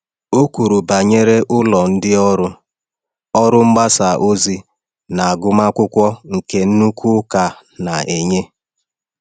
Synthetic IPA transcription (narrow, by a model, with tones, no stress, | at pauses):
o˦kʷu˨ɾu˨ba˨ɲe˦ɾe˦ʔʊ˦lɔ˨n̩˦dɪ˦ɔ˦ɾʊ˦ | ɔ˦ɾʊ˦ŋ͡m̩˦ɡ͡ba˦sa˨ʔo˦zi˦ | na˨a˨ɡʊ˦ma˦kʷʊ˦kʷɔ˦ŋ̩˨ke˦n̩˦nu˦kʰu˦ka˨ | na˨ʔe˨ɲe˦